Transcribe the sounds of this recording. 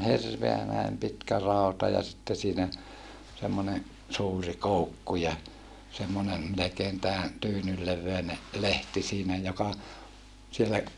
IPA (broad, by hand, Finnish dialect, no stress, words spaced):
hirʋeæ næim pitkæ rɑutɑ jɑ sitːe siːnæ semːone suːri koukːu jɑ semːone melekeːn tæː tyːnyl leʋːeine lehti siːnæ jokɑ sielːæ